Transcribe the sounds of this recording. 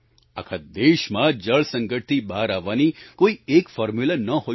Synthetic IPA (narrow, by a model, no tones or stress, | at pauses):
a̰kʰad̪eʃmãd͡ʒəɭsə̃ŋɡəʈ̚t̪ibaɾaʋːanikoiekfɔːɾmjulənəɦo